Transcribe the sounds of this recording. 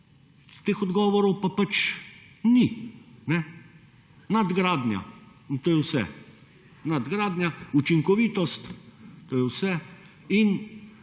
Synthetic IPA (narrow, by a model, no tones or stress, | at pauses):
t̪eːxɔd̪ɡɔːʋɔɾɔwpapat͡ʃ | ninɛ | nad̪ɡɾaːd̪nʲja̰ | t̪oːjɛwsɛ̰ | nad̪ɡɾaːd̪njaut͡ʃiŋkɔʋiːt̪ɔst̪t̪oːjɛwsɛ | in